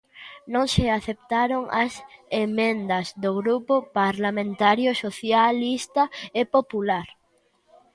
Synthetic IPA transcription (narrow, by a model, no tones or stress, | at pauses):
nõŋseaθep̚t̪aɾoŋɐsemẽnd̪ɐzd̪oɣɾupʊpaɾlamẽnt̪aɾjʊsoθjalist̪ɐepopulaɾ